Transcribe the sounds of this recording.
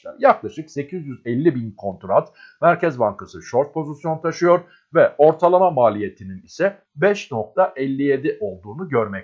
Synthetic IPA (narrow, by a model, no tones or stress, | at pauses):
a̰ɾjaklˠaʃɯkse̞cʰizjyzɛlʲːibinkʰo̞nt̪ɾat̪ | mæɾcɛzbaŋkasɯʃoɾt̪̚pʰo̞zisjo̞nt̪ʰaʃɯjo̞ɾ | vɛo̞ɾt̪ʰalˠamamaːlʲije̞t̪ʰininisɛ | bɛʃno̞k̚t̪ʰaʔɛlʲːije̞d̪iʔo̞lˠd̪uːnuɟøɾmɛc